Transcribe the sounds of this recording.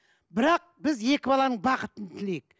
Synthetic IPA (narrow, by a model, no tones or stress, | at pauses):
bɪɾɑq̚bɪzje̞kʲɪbɑlˠɑnəɴbɑqət̪ənt̪ʰɪlejk